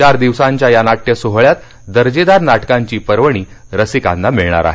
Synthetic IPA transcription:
t͡ɕaɾd̪iʋsaɲt͡ɕjajanaʈjəsoɦɭjat̪ | d̪əɾd͡ʑid̪aɾnaʈkãɲt͡ɕiːpəɾʋəɽ̃iː | ɾəsikanːamiɭɳa̰ɾa̰ɦe

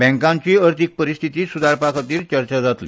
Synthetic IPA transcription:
bɛ̃ŋkãɲt͡ɕiːəɾt̪ʰik̚pəɾist̪ʰit̪iːsud̪aɾpakʰat̪iːɾt͡ɕəɾt͡ɕad͡zat̪li

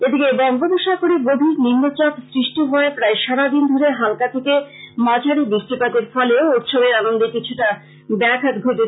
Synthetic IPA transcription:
ed̪ikebɔŋɡoboʃakoɾibob̪ʱiɾninːot͡ɕak̪sɾiʃʈiɦɔepɾaeʃaɾad̪ind̪ʱoɾeɦalkat̪ʰekemad͡ʑʱaɾibɾiʃʈipat̪eɾfɔleouʈ̪ʃobeɾanond̪ekit͡ɕʰuʈa | bɛkʰat̪ɡʱoʈe

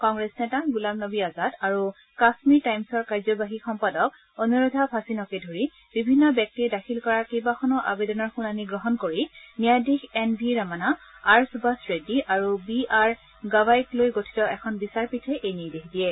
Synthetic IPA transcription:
kɔŋɡɹɛsnɛtaɡulabnobiazataɹu | kasmitajmsɔɹkaɹzɔbaɦixɔmpadɔk̚ | onuɹodʱapʰasinɔkedʱoɹi | b̥ibʱinːɔbjɛk̚tidakʰilkɔɹaɹkejbaxʰɔnɔʔa̰bedɔnɔɹxunaniɡɹɔɦɔnkoɹinijadixɛnbʱiɹamanaaɹsubasɹediʔaɹubiaɹ | ɡabajklojɡotʰi̥tɔʔɛkʰɔnbisaɹpitʰɛʔejniɹdexdijɛ

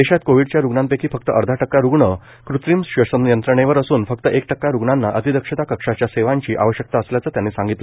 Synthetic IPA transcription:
eɕat̪koʋiɽt͡ɕjaɾuɡɳãmpekʰiːfək̚t̪əʔəɾd̪ʱaʈəkːaɾuɡɳə | kɾut̪ɾimɕʋəʂənjənt̪ɾəɳ̃eʋəɾəsuːnfəkt̪əʔek̚ʈəkːaɾuɡɳanːaʔət̪id̪əkʂət̪akəkʂat͡ɕjaseʋãɲt͡ɕiːʔa̰ʋəɕjək̚t̪aəsljat͡səːt̪janːeːsãŋɡit̪lə

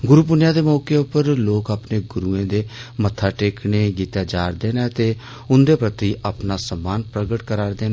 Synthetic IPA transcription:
ɡʊɾuːp̬ʊnjãːd̪eːmɔːkeːʊpːəɾloːkaːpneːɡʊɾuːẽːd̪eːmət̪ʰːaːʈeːkʰneːɡiːt̪jaːd͡ʒaːɾd̪eːnɛ̃ːt̪eː | ʊnd̪eːpɾət̪iʔaːpnaːsəmːaːnpɾəɡəʈkəɾaːɾd̪eːnː

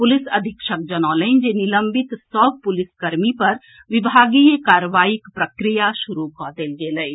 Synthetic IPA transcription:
pʊlɪsɐd̪ʱɪkʃək̚d͡ʒənɔ̃ːləɪ̃nd͡ʒenɪlə̃mbɪt̪sɔbpʊlɪskɐɾmipɐɾ | ʋɪbʱaːɡikaːɾəʋaːɪkpɾəkɾijaʃʊɾukɔːd̪elɡeːləi

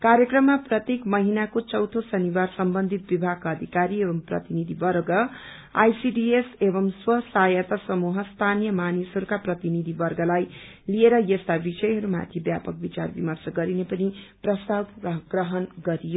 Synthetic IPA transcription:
kaɾjʌkrʌmːaprʌt̪jekmʌɦinakot͡sʌwt̪ʰosʌniwarsʌmbʌnd̪ʱit̪̚bibʱaɡ̚kʌd̪ʱikaɾiebʌmprʌ̰t̪inid̪ʱibʌrɡʌ | a̰jsiɖiesebʌmswʌsajʌt̪ʌsʌmuɦʌst̪ʰanjʌmanisɦʌɾukaprʌt̪inid̪ʱibʌrɡʌlaj | lieɾʌjʌst̪abisʌjɦʌɾuma̰t̪ʰibjapʌk̚bit͡sa̰rbimʌrsʌɡʌɾinepʌniprʌst̪abɡrʌɦʌnɡʌɾijo

